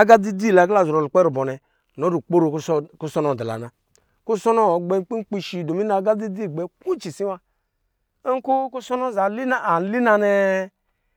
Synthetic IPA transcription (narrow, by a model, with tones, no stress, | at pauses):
a˦ɡa˦di˦di˦˨la˨ɡla˦˨zu˨ɾɔ˨lu˨k͡pɛ˦ɾu˨bɔ˨nɛ˨ | no˨˦ɾu˨k͡po˦ɾo˨kku˦sɔ˦nɔ˨da˨la̰˨na˨ | ku˦sɔ˦nɔ˦˨ɡ͡bɛ˦k͡pi˦k͡pi˦ʃi˨do˨mi˦na˨˦ɡa˦di˦di˦˨ɡ͡bɛ˨ku˦t͡ʃi˨si˦wa˧ | e˦ŋ˦ku˦ku˦sɔ˦nɔ˦˨za˨li˦na˦˨a˨n˦li˦na˧nɛ˦